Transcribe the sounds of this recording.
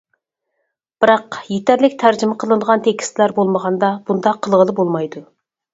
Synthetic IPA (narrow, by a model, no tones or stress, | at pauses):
b̥ɨɾɑqjet̪ʰæɾlɪk̚ʲt̪ʰæɾd͡ʒɪmɪqʰəlˠɨnd̪əʁɑnt̪ʰekʲʰi̥st̪ʰɪlæɾbolˠməʁɑnd̪ɑb̥und̪ɑqʰːəlˠʁəlˠɨbolˠmɑjd̪u